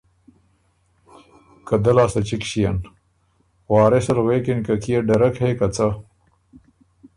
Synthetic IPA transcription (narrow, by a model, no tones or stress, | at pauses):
kɐd̪ɐlaːsɐt͡ɕikɕijɐn | waːɾesɐɾweːkinkɐkijeɖɐɾɐkhekɐt͡sɐ